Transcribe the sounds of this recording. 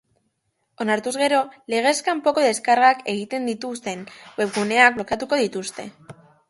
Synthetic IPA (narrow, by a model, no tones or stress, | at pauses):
o̞naɾt̪uzɣe̞ɾo̞le̞ɣ̞e̞skampo̞ko̞ðe̞skaɾɣake̞ɣ̞it̪e̞nd̪it̪ust̪e̞nwe̞pɣune̞ak̚blokat̪uko̞ð̞it̪ust̪e̞